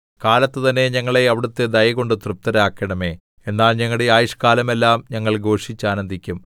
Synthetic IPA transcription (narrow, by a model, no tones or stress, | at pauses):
kaːlɐt̪ːɨt̪ɐnːe̞ɲɐŋːɐɭe̞ɐʋiɽut̪ːe̞d̪ɐjɐɣo̞ɳɖɨt̪rɨp̚t̪ɐɾaːkːɐɳɐme̞ː | e̞nːaːlɲɐŋːɐɽeaːjiʂkaːlɐmelːaːmɲɐŋːɐɭɡo̞ːʂit͡ɕːaːnɐnd̪ʱikʲːum